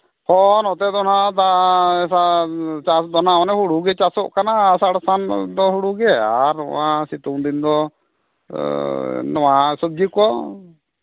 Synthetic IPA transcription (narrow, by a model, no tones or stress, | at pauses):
pɔnɔt̪ɛd̪ɔnad̪asat͡ʃad̪ɔnaɔnɛhuɽuɡɛt͡ʃasɔʔkanasaɽsand̪ɔɦuɽuɡɛa̰ɾɔ̰asit̪uŋd̪ind̪ɔ | nɔwasub̚d͡ʒikɔ